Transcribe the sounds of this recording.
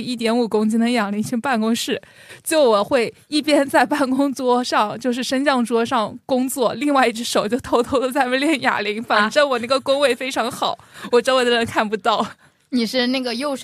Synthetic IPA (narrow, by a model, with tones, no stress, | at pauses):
i˥˩t̪̬jɛ˧˥nu˨˩kʊ˥ŋt͡ɕi˥nə˧jɑ˨˩ŋli˧˥ŋt͡ɕʰy˥pa˥˩nkʊ˥ŋʂɻ̩˥˩ | t͡ɕjo˥˩ʊwɔ˨˩xwe˥˧ɪ | i˥˩pjɛ˥nt͡sa˥˧ɪpa˥˩nkʊ˥ŋt͡swɔ˥ʂɑ˥˧ŋt͡ɕjo˥˧ʊʂɻ̩˥˩ʂə˥nt͡ɕjɑ˥˩ŋʈ͡ʂwɔ˥ʂɑ˥˩ŋkʊ˥ŋt͡swɔ˥˩li˥˧ŋwa˥˧ɪi˥˩ʈ͡ʂʰɻ̩˥ʂo˨˩ʊt͡ɕjo˥˩ʊt̪ʰo˥ʊt̪ʰo˥ʊd̪ə˧t͡sa˥˧ɪmə˥ljɛ˥˩nja̰˨˩li˧˥ŋfa˨˩n˧˩ʈ͡ʂə˥nwɔ˨˩n˥˩ɡə˩kʊ˥ŋwe˥˩ɪfe˥ɪʈ͡ʂʰɑ˧˥ŋxɑ˨˩˦ʊwɔ˨˩ʈ͡ʂɤ˥wd̪ə˧ɻə˧˥nkʰa˥˩npu˧˥t̪ɑ˥˩ʊ | ni˨˩ʂɻ̩˥˧na˥˩ɡə˩jo˥˩ʊʂ